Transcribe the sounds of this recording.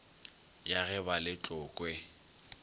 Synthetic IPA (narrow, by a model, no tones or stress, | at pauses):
jaɣɛbalɪt͡ɬʼʊːkʼwɛ